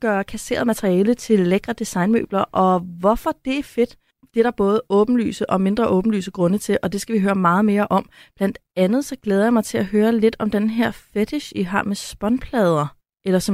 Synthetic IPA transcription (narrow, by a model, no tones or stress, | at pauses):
ɡ̥ɶːɐkʰæse̝̰ːɐð̩ˠmæt͡sʰʁiɛːlət͡sʰe̝lːeɡ̥ʁɐd̥isɑ̈ɪnmø̰ːb̥lɐʔɒ̽ʋɒfɒ̽d̥e̝æɐfe̝d̥ | b̥eɐɾɑ̈b̥ɔ̽ːð̞ˠəɔ̽ːb̥n̩ly̰ːsəʔɒ̽me̝nd̥ʁɐʔɔːb̥n̩ly̰ːsəɡ̥ʁɔ̽nət͡sʰe̝ʔɒ̽d̥e̝sɡ̥æʋiɦøːɐmɑ̈ːð̞̩ˠme̝ːɐʔɒ̽mb̥læn̰d̥ænð̞̩ˠsɒ̽ɡ̥leːðˠɐjɑmɑ̈ɪt͡sʰe̝læɦøːɐle̝d̥ɒ̽md̥enɦeɐ̰fed̥ʰeɕiɦɑ̰̈ːmesb̥ɒ̽npʰlɛːð̞ˠɐ | elɐsɒ̽m